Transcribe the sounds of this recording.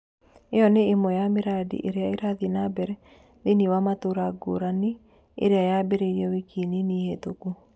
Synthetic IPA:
eɔneːmɔjameɾadḭʔeɾeaeɾaðinabɛɾɛ | ðeniwamatoɾaɡo̰ɾane | ḛɾeajabeɾeɾiɛwekʰininihetoku

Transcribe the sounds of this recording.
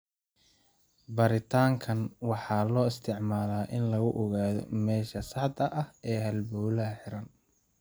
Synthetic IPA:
bɐɾɪt̪ʰaːŋkʰɐnwɑħɑːlɔːɪst̪ʰɪʕmaːlaːʔɪnlɐɣʊʔɔɣaːðɔ̰mɛːʃɐsɑħd̪ɐʔɐhɛːɦɐlbɔwlɐɐħɪɾɐn

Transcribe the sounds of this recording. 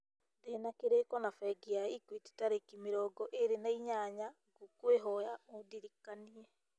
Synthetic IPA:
denakeɾekɔnafɛɡiaikwiti̥taɾekimeɾɔːɡɔʔeɾenaiɲaɲa | ɡokweɦɔjaodiɾikaniɛ

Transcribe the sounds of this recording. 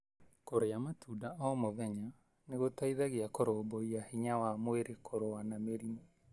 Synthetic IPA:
koɾejamatʰudaʔɔmoðɛɲa | neɣotaiðaɣeakoɾoboiahiɲawamweɾekʰoɾoanameɾime

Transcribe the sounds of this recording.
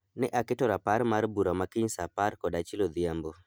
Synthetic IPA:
nɛʔakɪtɔɾapaɾmarbuɾamakɪɲsapaɾkɔdat͡ʃɪlod̪iambo

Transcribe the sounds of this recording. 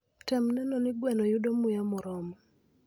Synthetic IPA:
tɛmnɛnɔnɪɡwɛnɔjʊdomʊjamɔɾɔmɔ

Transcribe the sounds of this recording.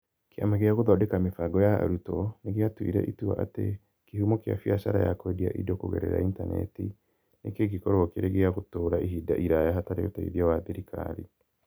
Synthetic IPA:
keamaɣeaɣoðɔdekamefaɡɔjaa̰ɾutɔneɣeatwḭɾɛ̰ʔitua̰ʔate | kehumɔkja̰fiaʃaɾa̰jakwedia̰ʔḭdɔkoɣɛɾḛɾa̰intanɛ̰ti | nekeɡikɔɾɔkeɾeɣeaɣotoːɾaʔiɦida̰ʔiɾajaɦataɾeotaiðiawaðeɾikʰa̰ɾi

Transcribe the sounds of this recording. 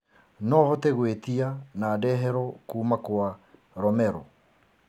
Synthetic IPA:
nɔhɔteɣwet̪ianadɛːɦɛɾɔkuːmakwa | ɾɔmɛɾɔ

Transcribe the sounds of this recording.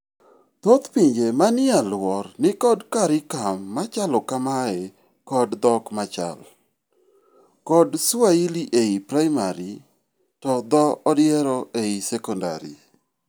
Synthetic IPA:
t̪ot̪piɲd͡ʒemanɪalwɔrnɪkɔdkaɾɪkamːat͡ʃalɔkamaɛ | kɔdd̪ɔkmat͡ʃa̰l | kɔdsailiʔeipɾajmaɾi | tɔd̪ɔɔdɪɛɾɔʔeisɛkɔnda̰ɾḭ

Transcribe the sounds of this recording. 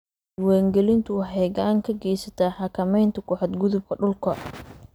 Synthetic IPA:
waːŋɡɛlɪnt̪ʰʊwħɛɣaːŋkʰɐɡɛjsɐt̪ʰaħɑkʰɐmɛjnt̪ʰɐkʰʊħɔd̪ɡʊðʊb̚kʰɐɖʊlkʰɐ̰

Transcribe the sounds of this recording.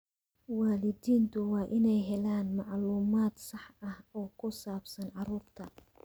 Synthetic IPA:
waːlɪd̪iːnt̪ʰʊwɑːʔɪnɛjɦɛlaːnmɑʕluːmaːd̪sɑħɐhɔːkʰʊsaːbsɐnʕɑɾuːrt̪ʰɐ

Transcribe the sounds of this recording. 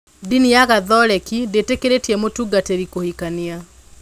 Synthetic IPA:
dinijaɣaðɔɾɛkidetekeɾetiɛmotuɡateɾikohikania

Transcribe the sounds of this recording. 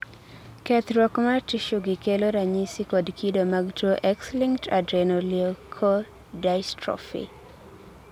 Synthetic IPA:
kɛt̪ɾwɔkmartiʃuɡɪkeloɾaɲisikɔdkʰidomaɡtoʔɛksliŋtadɾenoliɔkʰo | dajstɾɔ̰fḭ

